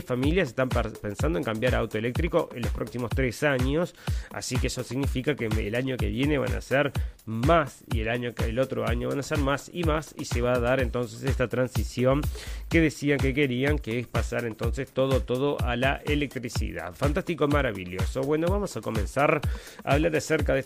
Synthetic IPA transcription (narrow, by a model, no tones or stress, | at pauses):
familjaseht̪ampensand̪oeŋkambjaɾawt̪oelek̚t̪ɾikoʔenlohpɾo̞ksimost̪ɾesaɲo̞sa̰sikeesosiɣnifikakeḛlaɲo̞keβjeneβa̰na̰seɾmasḭelaɲoelot̪ɾoaɲoβanaseɾmasimasiseβaðaɾent̪o̞nsesest̪at̪ɾansisjo̞ŋke̞ðesiaŋkekeɾiaŋkeespasaɾe̞nt̪o̞nsest̪o̞ð̞ot̪oð̞oʔalaʔelek̚t̪ɾisḭða̰fant̪ast̪ikomaɾaβiʎjo̞soβwe̞no̞βamo̞sako̞mẽnsaɾ | a̰ːβlaɾðeseɾkaðe